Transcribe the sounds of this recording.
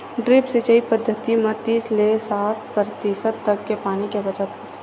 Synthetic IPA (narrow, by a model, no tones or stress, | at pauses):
ɖɾɪpsɪt͡ʃəipəd̪ʱːət̪imət̪iːslesaːʈ̚ʰpɾət̪iʃəd̪ːɐkːepaːnikebət͡ʃət̪ɦot̪ʰ